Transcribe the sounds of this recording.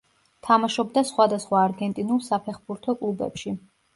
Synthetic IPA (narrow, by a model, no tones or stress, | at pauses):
t̪ʰamaʃɔbd̪asχwad̪asχwaːɾɡɛnt̪ʼinulˠsapʰɛχbuɾt̪ʰɔkʼlˠubɛ̰pʃi